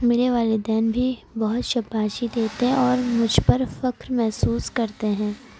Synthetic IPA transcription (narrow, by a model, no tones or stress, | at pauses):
mɪleʋaːlɪd̪ɛːnbʱibɐɦʊt̪ʃɐpːaːʃid̪eːt̪eɦɛ̃ɔːɾmʊd͡ʒʱpɐɾfɐkɾmɛɦsuːskɐɾt̪eɦɛ̃ː